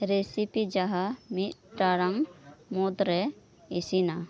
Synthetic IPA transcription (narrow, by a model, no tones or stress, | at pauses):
ɾesipid͡ʒaɦamit̪̚ʈaɾaŋmɔd̪ɾɛ | isina